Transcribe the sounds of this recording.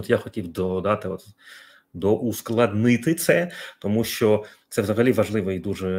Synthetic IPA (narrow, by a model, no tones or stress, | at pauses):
t̪jaxɔtʲiwd̪ɔd̪ɑt̪ɪɔt̪ | d̪ɔʔusklˠɐd̪nɪt̪ɪt̪sɛt̪ɔmuʃt͡ʃɔt̪sɛʋzɐɦɐlʲiʋɐʐlˠɪʋɔid̪uʐɛ